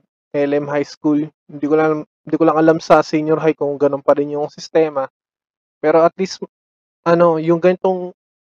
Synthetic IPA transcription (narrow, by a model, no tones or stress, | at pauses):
ʔɛlɛmɦajskulhɪnd̪iːkolɐŋalam | ɪnd̪iːkolɐŋʔɐlamsɐsiɲjoɾɦajkʊŋɡɐnonpɐɾɪnjʊŋsɪst̪ɛːmɐ | pɛːɾo̞ʔɐt̪list̪ | ʔɐno̞jʊŋɡɐnɪt̪oŋ